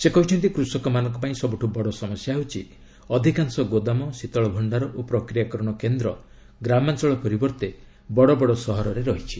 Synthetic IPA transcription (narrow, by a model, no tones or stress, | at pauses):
sekɔɦut͡ʃʰɔnt̪̬ikɾusɔkɔmanɔ̃ŋkɔpaĩsɔbuʈʰubɔɽɔsɔmɔsjaɦut͡ʃʰi | ɔd̪ʱikaŋsɔɡod̪amɔsit̪ɔɭɔbʱɔɳɖaɾɔʔopɾɔkɾijakɔɾɔɽ̃ɔkend̪ɾɔ | ɡɾamant͡ʃɔɭɔpɔɾibɔɾt̪e | bɔɽɔbɔɽɔsɔɦɔɾɔɾeɾɔɦit͡ʃʰi̥